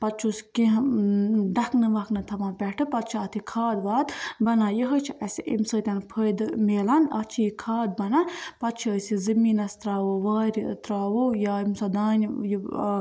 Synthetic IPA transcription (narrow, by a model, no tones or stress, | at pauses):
pɐt̪̚t͡ʃʰuskĩɦ | ɖɐknɨʋɐknɨt̪ʰɐmãːnpʲɛʈʰɨpɐt̪̚t͡ʃʰiɐt̪ʰikʰaːd̪ʋaːd̪bɐnaːjiɦɐt͡ʃʰiʔɐsiʔḭmsəːt̪ʲɐnpʰəjd̪meːlanɐt͡ʃʰiikʰaːd̪̚bɐnanpɐt̪t͡ʃʰiəsizimiːnɐst̪ɾaːʋoʋaːɾʲit̪ɾaːʋowjaːimsɐd̪aːnʲji